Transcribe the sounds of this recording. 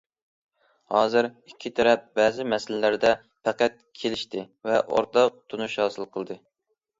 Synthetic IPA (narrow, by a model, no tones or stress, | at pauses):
hɑːzɨɾikʲʰːit̪ʰɛɾɛp̚bɛːzɪmɛsɪlɪlæɾd̪ɛ | pʰæqæt̪̚kʲʰelɪʃt̪ɪ | vɛʔo̰ɾt̪ɑt̪ʰunuʃhɑːsɨlˠqʰəlˠd̪ɨ